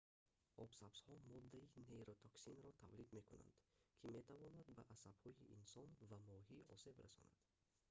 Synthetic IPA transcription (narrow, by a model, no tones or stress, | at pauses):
ɔbsabshɔmɔd̪ːaineɾot̪ʰɔksinɾɔt̪ʰavlid̪me̞kuna̰nd̪kʰime̞t̪ʰavɔnad̪baʔasab̥hɔiʔinsɔnvamɔɦiɔ̰se̞bɾa̰sɔ̰na̰d̪̥